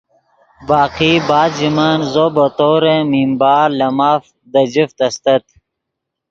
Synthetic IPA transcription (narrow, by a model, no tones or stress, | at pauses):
baːqiːbaːd̪d͡ʑimɐnzobɐt̪oːɾẽmimbaːɾlɐmaːf | d̪ɐd͡ʑift̪ɐst̪ɐt̪̚